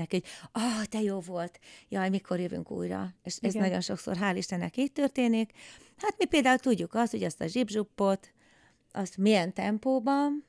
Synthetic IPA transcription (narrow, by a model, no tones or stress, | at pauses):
ɛkioɟɒt̪ɛjoːvo̞lt̪jɒːjmikʰo̞rjøvy̰ŋkṵːjrɒ̰eːʃɛsnɒɟo̞nʃo̞kso̰rɦaːliʃt̪ɛnːɛkiːt̪t̪ːørt̪eːnik | hat̪mipeːld̪aːult̪uɟːukɒst̪ho̞̰ɟɒst̪ɒʒibʒupːo̞t̪ | ʔɒst̪mijɛnt̪ɛmpoːbɒn